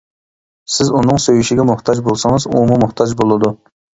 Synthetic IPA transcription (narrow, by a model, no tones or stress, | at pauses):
sɪzunɨŋsøjyʃɪɡʲɛmʊχt̪ʰɑd͡ʒbolˠsɨŋəzṵmɨmʊχt̪ʰɑd͡ʒbolˠɨd̪u